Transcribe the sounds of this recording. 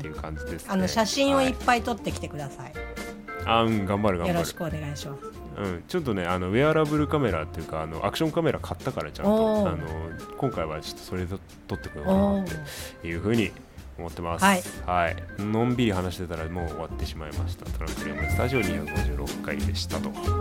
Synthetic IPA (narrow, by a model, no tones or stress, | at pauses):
t̪eɯ̟kʰãɲ̟d͡ʑid̪e̞sɨ̥anoɕaɕĩɰ̃o̞ipːait̪o̞t̪ːe̞kʲi̥t̪e̞kɯ̟d̪asai | aɯ̟̃ɴɡãmbaɾɯ̟ɡãjobɾoaɕɯi̥kɯone̞ɡaiɕimasɨ̥ | ɯ̃ɴt͡ɕo̞t̪̬ːo̞ne̞ano̞βeaɾabɯ̟ɾɯ̟kame̞ɾat̪ːe̞jɯ̟kaːno̞̰ʔa̰kɯ̟ɕoŋkame̞ɾakʰat̪ːakaɾat͡ɕã̰ano̞kõ̞ŋkaiβat͡ɕo̥t̪ːosoɾe̞d̪e | t̪o̞t̪ːe̞kot̪ot̪ːejɯ̟ːɸɯ̟ːɲ̟i | o̞mo̞t̪ːe̞masihaḭnõ̞mbʲiɾʲiɦanaɕi̥t̪e̞t̪aɾamo̞ːβat̪ːe̞ɕimaimaɕi̥t̪at̪oɾã̰ŋkɯɾiamosɨ̥t̪aʑio̞ɲʲiaɡoʑɨːɾo̞̰kːaid̪e̞ɕi̥t̪at̪o̞